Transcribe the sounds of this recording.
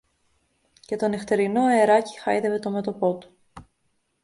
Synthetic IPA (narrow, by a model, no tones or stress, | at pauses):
ce̞t̪o̞neft̪e̞ɾino̞e̞ɾɐci̥xɐ̰iðeve̞t̪o̞met̪o̞po̞t̪u̥